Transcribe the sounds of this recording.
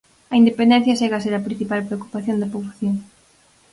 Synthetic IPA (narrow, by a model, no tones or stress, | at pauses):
ɐind̪epend̪ẽn̟θjɐʃeɣaseɾɐpɾin̟θipalpɾeoku̥paθjond̪ɐpoβlaθjoŋ